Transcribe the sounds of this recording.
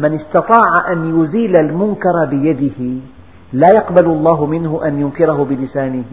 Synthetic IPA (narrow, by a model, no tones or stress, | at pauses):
manɪst̪ɑt̪ˤɑːʕaʔanjʊziːlalmʊŋkɑɾˤbɪjad̪ɪhɪ | laːjɑqballˤːɑːɦʊmɪnhʊʔanjʊŋkɪɾɑhʊbɪlɪsaːnɪh